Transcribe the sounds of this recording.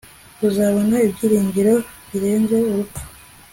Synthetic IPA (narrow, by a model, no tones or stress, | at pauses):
uzaβo̞naibɟiːɾiːɲɟiɾo̞βiɾe̞ːnze̞uɾupḁ